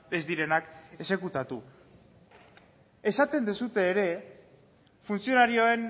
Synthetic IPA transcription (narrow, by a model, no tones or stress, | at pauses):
e̞zd̪iɾe̞nake̞se̞kut̪at̪u | e̞sat̪e̞nd̪esut̪e̞ːɾe̞ | funsio̞naɾioe̞n